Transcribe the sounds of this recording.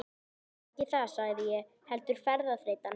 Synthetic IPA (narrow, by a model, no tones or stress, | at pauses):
cɪθasaɣðɪjɛ | hɛlt̪ʏɾ̥fɛɾðaθɾeːjt̪an